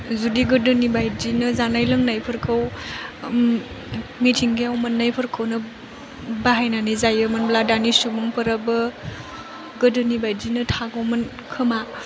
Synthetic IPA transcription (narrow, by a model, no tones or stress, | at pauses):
zudiɡɯdɯnibajdinɯzanajlɯŋnajpʰɯɾkʰɯw | mitʰiŋɡiawmɯnːajpʰɯɾkʰɯwnɯ | baɦajnanɯjzajɯmɯnbladanisumuŋpɯɾabɯ | ɡɯdɯnibajdinɯtʰaɡawmɯn | kʰɯma